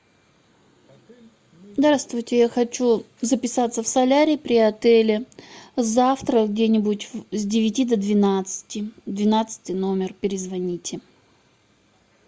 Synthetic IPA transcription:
zd̪aɾast̪vʊjtʲɪjaxɐt͡ɕu | zəpʲɪsat̪səfsɐlʲaɾʲɪpɾʲɪɐt̪ɛlʲɪzaft̪ɾəɡdʲenʲɪbʊtʲzʲdʲɪvʲɪtʲid̪əd̪vʲɪnat̪sɨ̥tʲɪd̪vʲɪnat̪sɨ̥tʲɨno̞mʲɪrpʲɪɾʲɪzvɐnʲitʲɪ

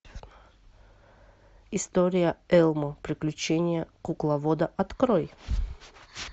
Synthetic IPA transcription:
ɪst̪oɾʲɪjəɛlˠmopɾʲɪklʲʉt͡ɕenʲɪjəkuklˠɐvod̪əʔɐt̪kɾoj

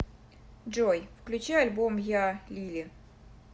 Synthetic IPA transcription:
ʐojfklʲʉt͡ɕajɐlʲbomjalʲilʲɪ

